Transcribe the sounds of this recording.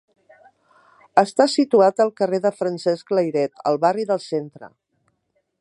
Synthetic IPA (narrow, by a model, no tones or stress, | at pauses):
əst̪asit̪uat̪əlˠkəreðəfɾənsɛskləjɾɛt̪ə̰lˠβariðəlˠsent̪ɾə̰